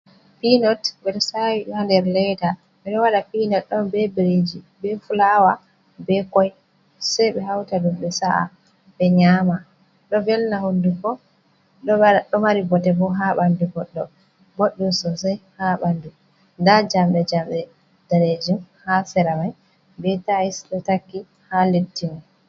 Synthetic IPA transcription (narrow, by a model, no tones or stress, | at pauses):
pinɔtɓɛɗɔsawiɗɔhandɛɾlɛta | ɓɛɗɔwaɗapinɔt̚ɗɔnbɛbiɾed͡ʒi | bɛfulawa | bɛkɔj | sɛjɓɛɦawtadumɓɛsaʔa̰ | ɓɛɲaːma | ɗɔvɛlnahondukɔ | ɗɔɗɔmaɾibɔtɛbɔɦaɓandubɔɗːɔ | bɔɗːɔsɔsɛjhaɓandu | ndad͡ʒamɗɛd͡ʒamɗɛ | d̥aɾed͡ʒimhasɛɾamaj | bɛtaisɗɔtakːi | haletːima